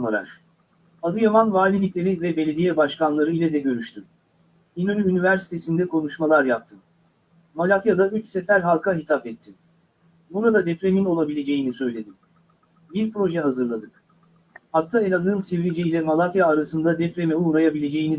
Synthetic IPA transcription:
aɾˠa̰ɾ̥ | ad̪ɯjamanvaːlʲilʲiclʲe̞ɾivɛbe̞lʲe̞d̪ijɛbaʃkanlˠaɾɯilʲɛd̪ɛɟøɾyʃt̪ʰym | inonʲyynivæɾsi̥t̪ʰe̞sind̪ɛkʰo̞nuʃmalˠaɾjap̚t̪ʰɯm | malʲˠat̪jad̪ayt͡ʃsefæɾɦalˠkaɦit̪ʰapɛt̪ʰːi | buɾad̪ad̪ɛpɾe̞mino̞lˠabilʲe̞d͡ʒe̞jinisø̞jlʲe̞d̪ɪ | biɾpɾo̞ʒɛɦazɯɾlˠad̪ɯk | hat̪ʰːaelʲazɯnsevɾid͡ʒɛilʲɛmalˠat̪jaːɾasɯnd̪ad̪ɛpɾemɛunɾajabilʲe̞d͡ʒe̞jini

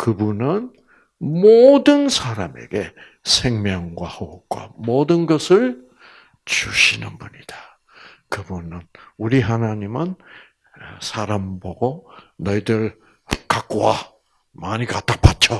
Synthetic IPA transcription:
kɯbunɯn | modɯnsʰaɾame̞̰ɡe̞ | sʰe̞ŋmjʌŋɡwa̰houk͈wa̰modɯnɡʌsʰɯɭ | t͡ɕuɕʰinɯnbuɲid̥a | kɯbunɯnuɾiɦanaɲimɯn | sʰaɾamboɡonʌidɯɭ | kak͈uwa | maɲikat͈apʰat̚t͡ɕ͈ʰo

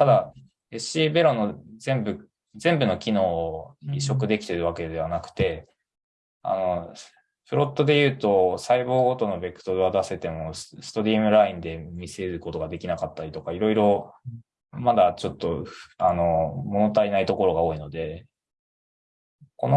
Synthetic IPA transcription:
t̪ad̪a | esɕiːbeɾo̞no̞zẽ̞mbɯ̟ | zẽ̞mbɯ̟no̞kʲino̞ːiɕo̞kɯ̟d̪e̞kʲi̥t̪e̞ɾɯ̟β̞ake̞d̪e̞β̞anakɯ̟̥t̪e̞ | a̰no̞ | ɸɯ̟ɾo̞t̪ːo̞d̪e̞jɯ̟ːt̪o̞saiβo̞ːɡo̞t̪o̞no̞be̞kɯ̟̥t̪o̞ɾɯ̟βad̪ase̞t̪e̞mo̞ssɨ̥t̪o̞ɾʲiːmɯ̟ɾaĩnd̪e̞mʲise̞ɾɯko̞t̪o̞ɡad̪e̞kʲinakat̪ːaɾʲit̪o̞kaiɾo̞iɾo̞ | mad̪at͡ɕo̞t̪ːo̞ano̞mo̞no̞t̪ainait̪o̞ko̞ɾo̞ɡaoːino̞d̪e̞ | ko̞no

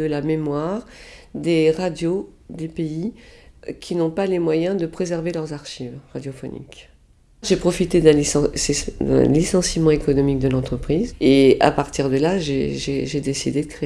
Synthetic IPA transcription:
dəlamemwaʁd̪eʁad̪jo | d̪epei | kʲʰinɔ̃palemwajɛ̃d̪əpχezɛʁvelœʁzaʁʃivʁad̪jɔfɔ̰nʔḭk | ʒepχɔfit̪ed̪ɛ̃lissɛd̪ɛ̰̃lisɑ̃simɑ̃ekɔnɔmik̚d̪əlɑ̃t̪χəpχizea̰paʁt̪iʁd̪əlaʒeʒeʒed̪esid̪ed̪əkχe

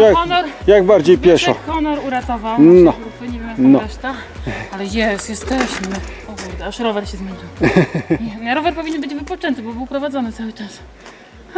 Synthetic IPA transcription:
jakɔnɔɾjaɡbaɾd͡ʑejpʲjɛʂɔkɔnɔɾuɾat̪ɔvawnɔupɔɲimnɔɾɛʂt̪a | alɛjɛsjɛst̪ɛɕmɘpɔvɛɾt̪aʂɾɔvɛɾɕɛzmʲeɲiwɲɛɾɔvɛɾpɔvʲiɲɛnbɘd͡ʑvɘpɔt͡ʂɛnt̪ɘbɔbɘwpɾɔvad̪zɔnɘt̪sawɘt͡ʂas

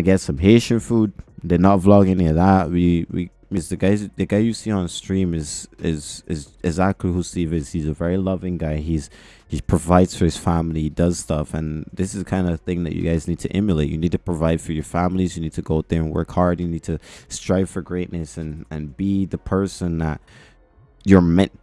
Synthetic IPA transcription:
aɪɡɛtsʌ̃mɦeɪʃɨ̃nfud̪̚ðənətvlɔɡɛniəðət̚wiwḭ | mɪzðɨɡaɪzðɨɡaɪjɨsiə̃nstɹ̥ĩmɪzɪzɪzɪɡzæk̚tʰˡliɦusivɪz̥hizɨvɛɹilʌvɪ̃ŋɡaɪiz̥ | hipʰɹ̥ɨvaɪdz̥fə˞ɨz̥fæ̃mlˠiidʌz̥stʌfɨ̃nðɪsɨzkʰãɪ̃ndɨθɪ̃ŋðɨ̰t͡ʃɨ̰ɡaɪznid̚tʰɨʔɪ̃mjəleɪʔjɨ̰nid̚tʰɨ̥pʰɹ̥əvaɪd̥fə˞jə˞fæ̃ml̩ˠizjɨnid̚tʰɨɡoʊt̪̚ðə˞ə̃nwɜ̰˞khɑɹdjɨnid̚tʰɨstɹ̥aɪv̥fə˞ɡɹeɪʔⁿnɨsɨ̃nɨ̃nbiðɨpʰɜ˞sɨ̃nðə̰t̚ | ə˞mɛ̃n

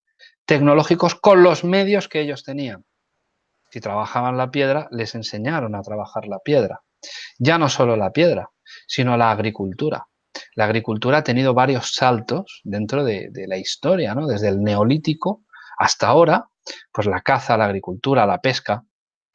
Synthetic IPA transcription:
t̪e̞kno̞lo̞xiko̞sko̞nlo̞zme̞ðjo̞ske̞eʎo̞st̪e̞nian | sit̪ɾaβ̞axaβanlapje̞ð̞ɾale̞se̞nse̞ɲaɾo̞nat̪ɾaβ̞axaɾlapje̞ðɾa̰ | ɟ͡ʝano̞so̞lo̞lapje̞ðɾa | sino̞laːɣ̞ɾikult̪uɾa̰ | laːɣ̞ɾikult̪uɾaat̪e̞nið̞o̞β̞aɾjo̞sːalt̪o̞sðe̞nt̪ɾo̞ðe̞̰ðe̞laist̪o̞ɾjano̞ðe̞zðe̞lne̞o̞lit̪iko̞ast̪ao̞ɾa | pwe̞zlakaθalaːɣ̞ɾikult̪uɾalape̞ska

